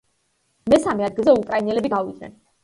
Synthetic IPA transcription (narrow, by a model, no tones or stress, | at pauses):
mɛsamɛad̪ɡilˠzɛukʼɾainɛlɛbiɡavid̪nɛ̰n